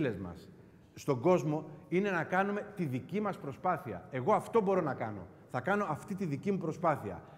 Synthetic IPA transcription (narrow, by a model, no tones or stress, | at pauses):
le̞zmɐ̰sː | t̪o̞ɡo̞zmo̞ine̞nɐkɐnume̞t̪iðicimɐspɾo̞spɐθiɐ̰e̞ɣo̞ɐft̪o̞bo̞ɾo̞nɐkɐno̞̰ | θɐkɐno̞ɐft̪it̪iðicimupɾo̞spɐθiɐ̰